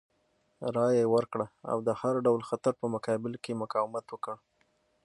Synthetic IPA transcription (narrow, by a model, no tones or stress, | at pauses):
ɾɑjejwəɾkɽaa̰wd̪əhaɾɖawlxat̪aɾpəmʊkɑbɪlkemʊkɑwɪmat̪wəkə